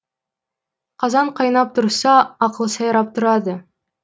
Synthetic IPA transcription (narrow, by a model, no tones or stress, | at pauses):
qʰɑzɑɴqʰɑjnɑp̚t̪ʰʊɾsɑɑqəlˠəsɑjɑɾɑp̚t̪ʰʊɾɑd̪ə